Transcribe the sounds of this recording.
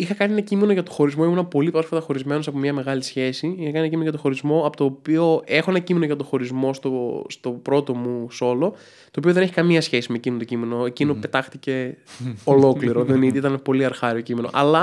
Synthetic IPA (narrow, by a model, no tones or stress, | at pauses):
ixɐkɐnienɐcime̞noʝɐt̪oxo̞ɾizmo̞imunɐpo̞lipɾosfɐt̪ɐxo̞ɾizme̞no̞sɐpomɲɐme̞ɣɐlisçe̞siixɐkɐninenɐcimenoʝɐt̪oxo̞ɾizmo̞ɐpot̪o̞ːpio̞e̞xo̞enɐcime̞noʝɐt̪o̞xo̞ɾizmo̞st̪ost̪o̞pɾo̞t̪o̞muso̞lo̞ | t̪oːpio̞ðeneçi̥kɐmiɐsçe̞simecimnt̪ocime̞no̞ecino̞pe̞t̪ɐxt̪ice̞olo̞kliɾo̞ðenit̪iit̪ɐnepo̞liɐɾxɐɾiocime̞no̞̰ʔɐlɐ